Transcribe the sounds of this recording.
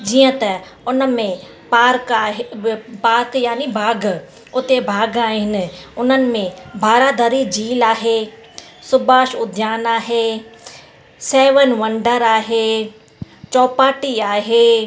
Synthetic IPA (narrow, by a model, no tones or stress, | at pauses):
d͡ʑiːə̃t̪ɐ | ʊnəmẽ | paːɾkaːɦpaːɾkjaːnibʱaːɡ | ʊt̪ebʱaːɡaːɦɪnɪ̆ʊnənɪ̆mẽbʱaːɾaːd̪ʱɐɾid͡ʑiːlaːɦe | sʊbaːʃʊd̪ʱjaːnaːɦeː | sɛːʋənʋɐ̃ɳɖəɾaːɦeː | t͡ʃɔːpaːʈiaːɦeː